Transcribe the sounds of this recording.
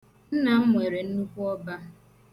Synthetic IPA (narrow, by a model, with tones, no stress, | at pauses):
n̩˦na˨ŋ̩˦ŋʷe˨ɾe˨n̩˦nu˦kʷu˦ɔ˦ba˦